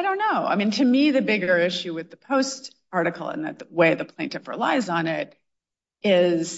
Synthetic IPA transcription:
aɪɾõʊ̃nːoʊa̰ɪmĩntʰɨmiðɨbɪɡə˞ɪʃʉwɨðɨpʰoʊst | ɑɹɾɨkʰl̩ˠə̰̃nðɨ̰t̪̚əweɪðɨpʰl̥ẽɪ̃ntɨvɹə̰la̰ɪzn̩ɪɾ | ɪz̥

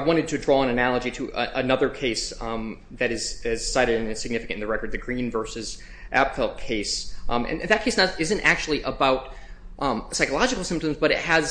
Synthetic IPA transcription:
aɪwɑ̃ɾ̃ɨd̚tʰɨdɹɔə̃ñɨnælˠəd͡ʒiɾɨʔəʔənʌðə˞kʰeɪs | ðɨɾɨz̥ɪz̥saɪɾɨɾɨ̃nɨsɨɡ̚nɪfɨkɨ̃tn̩ðɨɹɛkə˞d̪̚ðɨɡɹĩnvɜ˞sɨz | ʔæ̰pfɛlˠkʰeɪsɨ̰̃nðɨt̚kʰeɪsnəɪzɨ̃ntæk̚t͡ʃʉl̩ˠiʔəbaʊt̚ | ʔsaɪkəlˠɑd͡ʒɨkl̩ˠsɪ̃mp̚tɨ̃mzbʌɾɨ̰t̚hɨz̥

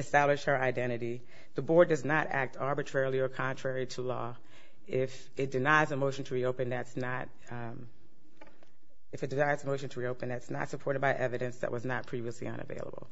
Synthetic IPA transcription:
ɨstæblɨʃhə˞aɪdɛ̃ɾ̃ɨɾi | ðəbɔɹdʌznəɾæ̰k̚tʰɑɹbɨtʰɹ̥ɛɹl̩ˠiə˞kʰɑ̃ntʰɹ̥ɛɹiɾəlɔ̰ | ɪf | ɨt̚d̥ɨnaɪzɨmoʊʃn̩tʰəɹioʊpɨ̃nðɨtsnəɾ̚ | ɨfɨt̚d̥ɨnaɪzəmoʊʃn̩tʰəɹioʊpɨ̃nðætsnə̰tsəpʰɔɹɾɨd̚baɪʔɛvɨɾɨ̃nsðɨ̰ʔ̚wʔʌznət̚pʰɹ̥iviɨslḭʌ̰̃nɨ̰vḛɪlˠə̰bl̩ˠ

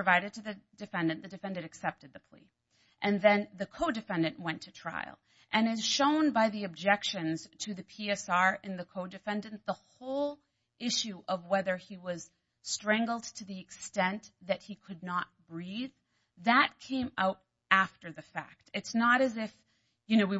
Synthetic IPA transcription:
ɹvaɪɾɨd̚tʰɨðɨdɨfɛ̃ndɨ̃nðɨdɨfɛ̃ndɨ̃ɾɨksɛp̚tɨd̪̚ðɨpʰl̥ḭ | ʔɨ̃nðɨ̃nðɨkʰoʊdɨfɛ̃ndɨ̃nʔwɛ̃ntʰɨtʰɹ̥a̰ɪlˠ | ʔɨ̃nɨz̥ʃõʊ̃nbaɪðiɨb̚d͡ʒɛkʃɨ̃nz̥tʰɨðɨpʰiɛsɑɹɨ̃nðɨkʰoʊdɨfɛ̃ndɨ̃nðəhoʊlˠ | ʔɪʃʉʔʌvwɛðə˞iwʌz̥ | stɹ̥ɛ̃ŋɡl̩ˠd̚tʰɨðiɨkstɛ̃nðɨt̚hikʰɨdⁿnət̚b̥ɹið | ðət̚kʰẽɪ̃maʊɾ | æftə˞ðɨfæ̰k̚tɨtsnəɾɨzɪf | jɨnoʊwi

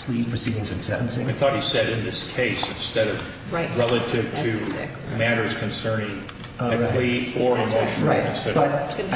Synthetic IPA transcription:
fli̥pʰɹ̥ɨsiɾɪ̃ŋzɨ̃nsɛ̃nʔn̩sɪ̃aɪθɔt̚hisɛɾɨ̃nðɪskʰeɪsɨ̃n̩stɛɾʌv | ɹaɪɹɛlˠəɾɪv̥tʰɨ̰ | mæɾə˞z̥kʰɨ̃n̩sɜ̃˞nɪ̃ŋ | ɨlliɪɾə˞ɨmoʊʃn̩ˠknsəʌ̃

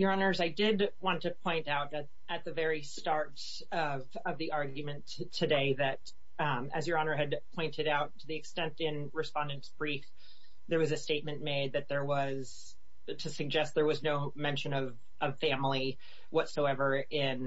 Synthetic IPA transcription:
jə˞ɑnə˞zaɪdɪd̚wɑ̃ntɨpʰɔ̃ɪ̃ntaʊɾɨ | ɨt̪̚ðɨvɛɹistɑɹɾ | ʌ | vʌvðiʔɑɹɡjɨmɨ̃ntʰɨdeɪðɨt̚ | ɨzjə˞ɑnə˞ɨd̚pʰɔ̃ɪ̃ntɨɾaʊtʰɨðiɨkstɛ̃ntɪ̃n | ɹɨspɑ̃ndɨ̃ntsb̥ɹif | ðə˞wʌzɨsteɪt̚mɨ̃nmeɪd̪̚ðɨt̪̚ðə˞wʌz̥ | tʰɨsɨɡ̚d͡ʒɛst̪̚ðə˞wʌznoʊ | mɛ̃nʃɨ̃nʌv | ʔʌv̥fæ̃mlˠi | wʌtsoʊɛvə˞ɪ̃n

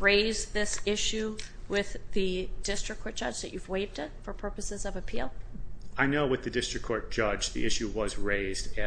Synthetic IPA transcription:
ɹeɪzðɪsɪʃʉwɪððɨdɪstɹ̥ɨkʰːɔɹt̚d̥ʒ̥ʌd͡ʒðɨ̰t͡ʃʉvweɪvdɨt̚fə˞pʰɜ˞pɨsɨzʌvɨpʰḭlˠaɪnoʊwɨðɨdɪstɹ̥ɨkʰɔɹt̚d̥ʒ̥ʌd͡ʒðḭʔɪʃʉwʌzɹeɪzdɨ

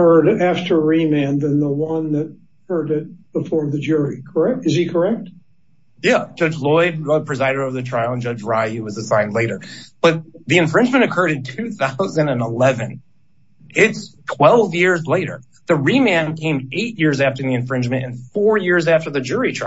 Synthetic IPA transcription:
ɜ˞ɾæftə˞ɹimæ̃nðɨ̃nðəwʌ̃nðɨt̚ | hɜ˞ɾɪt̚b̥əfɔɹðɨd͡ʒʊɹikʰə˞ɛk̚tɨzikʰə˞ɛk̚t̚ | jæ̥d͡ʒ̥ʌd͡ʒlɔɪʌpʰɹ̥ɨzaɪɾɨɾʌvðɨtʰɹ̥aɪlˠə̃nd͡ʒʌd͡ʒɹaɪʉwʌzəsãɪ̃ndˡleɪɾə˞b̥ʌt̪̚ðiɨ̃ɱfɹɪ̃nd͡ʒmɨ̃ñɨkʰɜ˞ɾɨ̃ntʰʉθaʊzɨ̃ndɨ̃nəlɛvɨ̃n | ɪtstʰw̥ɛlˠvjɪɹzleɪɾə̰˞ | ðɨɹimæ̃nkʰẽɪ̃meɪʔ̚jɪɹzæftə˞ðiɨ̃ɱfɹɪ̃nd͡ʒmɨ̃ntɨ̰̃nfɔɹjɪɹzæftə˞ðɨd͡ʒʊɹitʰɹ̥a

